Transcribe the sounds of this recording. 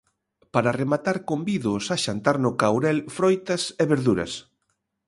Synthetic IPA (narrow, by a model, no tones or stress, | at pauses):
paɾaremat̪aɾkombiðʊsaʃant̪aɾnʊkawɾɛlfɾojt̪ɐseβeɾðuɾɐ̰s